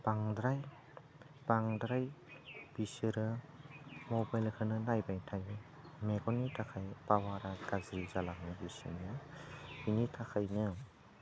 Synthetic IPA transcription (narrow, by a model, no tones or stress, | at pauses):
b̥aŋdɾaj | b̥aŋdɾajb̥isɯɾɯ | mɔbajlkʰɯnɯnajbajtʰaj | meɡɔnitʰakʰajpawaɾaɡ̥azɾizalaŋɯbisḭnɯbinitʰakʰajnɯ